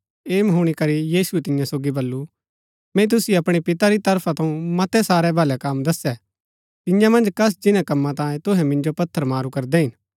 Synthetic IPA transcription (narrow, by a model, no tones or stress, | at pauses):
eːmɦoːɽ̃ikɐɾijiːsuɛt̪ɪ̃jãsoːɡibɐlːu | mɛ̃t̪̬ʊsiɐpɽ̃ipɪt̪aɾit̪ɐɾpʰat̪ʰɐ̃ũmɐt̪ɛsaːɾɛbʱɐlɛkamd̪ɐsɛ | t̪ɪ̃jãmɐ̃nd͡ʒkɐs̬d͡ʒɪnãkɐmːãt̪ãːjẽt̪ʊɦɛ̃mɪ̃nd͡ʒopɐt̪ʰːəɾmaːɾukɐɾd̪ɛɦɪn